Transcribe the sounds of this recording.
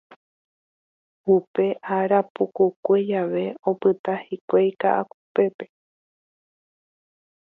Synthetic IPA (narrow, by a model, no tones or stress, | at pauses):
upe̞ʔaɾapukukʷed͡ʒaʋe̞o̞pɨt̪ahikʷejkaʔakupe̞pe̞̥